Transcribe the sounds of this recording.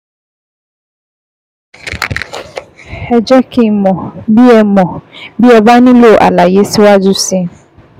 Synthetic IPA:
hɛ˨d͡ʑɛ˦kʰɪ̃˨mɔ̃˨bi˦ɛ˨mɔ̃˨bi˦ɛ˨ba˦nʊ̃˦lo˦˨ʔa̰˨la˨je˦sɪ˦wa˦dʊ˦sɪ̃˦

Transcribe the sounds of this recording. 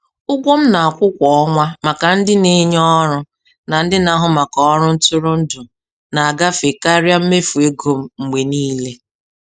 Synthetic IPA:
ʊ˦ɡʷo˦m̩˦na˨a˨kʷʊ˦kʷɔ˨ɔ˦ŋʷa˦ma˨ka˨n̩˦dɪ˦ne˦ɲɔ˦ɾʊ˦ | na˨n̩˦dɪ˦na˨ɦʊ˨ma˨kɔ˨ɔ˦ɾʊ˦n̩˦tʊ˦ɾʊ˦n̩˦dʊ˨ | na˨a˨ɡa˦fe˨ka˦ɾja˦m̩˦me˦fu˨e˦ɡo˨m̩˨ŋ͡m̩˨ɡ͡be˨niː˦le˦

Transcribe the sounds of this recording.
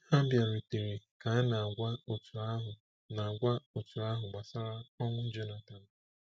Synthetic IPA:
i˦ha˦bja˨ɾi˨te˨ɾi˨ka˨a˦na˨a˨ɡʷa˦o˨tu˨a˦ɦʊ˨ | na˨ɡʷa˦o˨tu˨a˦ɦʊ˨ɡ͡ba˨sa˦ɾa˦ɔ˦ŋʷʊ˦d͡ʒe˦na˨ta˨n̩˨

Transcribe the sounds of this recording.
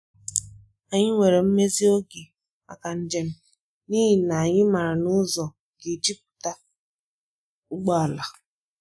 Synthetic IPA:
a˨ɲɪ˦ŋʷe˨ɾe˨m̩˦me˦zi˦o˦ɡe˨ | a̰˨ka˨n̩˦d͡ʒe˦n̩˦ | ni˦ɦi˨na˨a˨ɲɪ˦ma˨ɾa˨nʊ˦zɔ˨ | ɡe˨d͡ʒi˦p̚u̥˨ta˦ | ʊ˦ɡ͡bɔ˦a˨la˨

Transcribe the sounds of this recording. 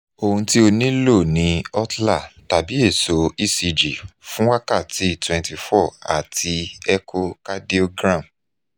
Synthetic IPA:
o˧hũ˧ti˦o˧nĩ˦lo˦˨nĩ˨˧ɔ˦tla˦˨ta˨bi˨˦e˦˨so˨i˦˨si˧d͡ʒi˨fũ˦wa˦ka˦˨ti˨˦˨twɛ̃˨nti˧fɔ˦˨a̰˨tʰi˧ɛ˦kʰo˦ka˦di˦o˧ɡɾã˦˨m

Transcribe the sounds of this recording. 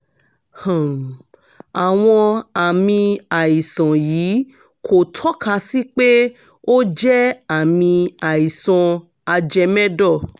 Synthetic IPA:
hã˨m˨ | a˨w̃ɔ̃˧a˨mĩ˧a˨i˨sã˨jiː˨˦ | kʰo˨tʰɔ˨˦ka˧si˦k͡pe˦ | o˦d͡ʒɛ˦a˨mĩ˧a˨i˨sɔ̃˧ | a˧d͡ʒɛ˧mɛ̃˦dɔ˦˨

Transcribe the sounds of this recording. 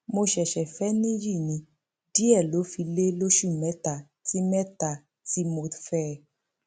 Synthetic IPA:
mo˧ʃɛ˨ʃɛ˨fɛ˦nĩ˦ji˦˨nĩ˧˦ | di˦ɛ˦˨lo˨˦fi˧le˦lo˦ʃu˦˨mɛ˦ta˦˨ | ti˦mɛ˦ta˨ | ti˦mo˧fɛ˦˨

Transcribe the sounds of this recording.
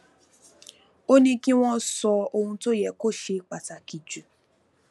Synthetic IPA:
o˦nĩ˧kĩ˦w̃ɔ̃˦sɔ˧o˧hũ˧to˦jɛ˨ko˦ʃe˧k͡pa˨ta˨ki˨d͡ʒu˨

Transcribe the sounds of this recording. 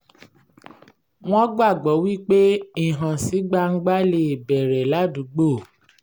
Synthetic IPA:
w̃ɔ̃˦ɡ͡ba˦˨ɡ͡bɔ˨˦wi˦k͡pe˦i˨ɦã˨si˨˦ɡ͡ba˦ŋ̩˦ɡ͡ba˦le˦˨bɛ˨ɾɛ˨la˨˦du˨˦ɡ͡bo˦˨

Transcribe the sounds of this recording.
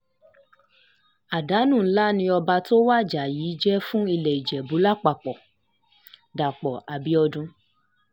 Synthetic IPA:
a˨da˨˦nũ˦˨˦la˦nĩ˧˦ɔ˧ba˧to˦wa˦˨d͡ʒa˨jiː˨˦d͡ʒɛ˦fũ˦i˧lɛ˨i˨d͡ʒɛ˨bu˨˦la˦k͡pa˨k͡pɔ˨ | da˨k͡pɔ˨a˨bi˨˦ɔ˧dũ˧

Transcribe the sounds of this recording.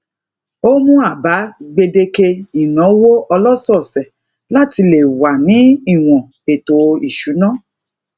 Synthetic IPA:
o˦mũ˦a˦˨ba˨˦ɡ͡be˧de˧ke˧i˨nɔ̃˨˦wo˦ɔ˧lɔ˦sɔ˦˨sɛ˨ | la˦ti˧le˨wa˨nĩ˨˦i˦˨w̃ɔ̃˨ | e˨to˨˧i˨ʃu˨˦nã˦˨

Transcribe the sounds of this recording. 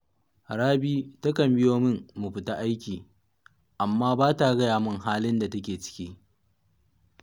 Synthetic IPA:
ɽaː˦biː˦ta˦kɐ˨mbɪ˦joː˦mɪ˦ŋmu˨ɸɪ˨ta˦ʔa˦jkʲiː˨ | ʔa˨mːaː˦baː˦ta˨˦ɡɐ˦jaː˨mʊ˦ŋɦaː˦lɪ˦nda˨tɐ˦kʲeː˨t͡ʃɪ̥˦kʲiː˦

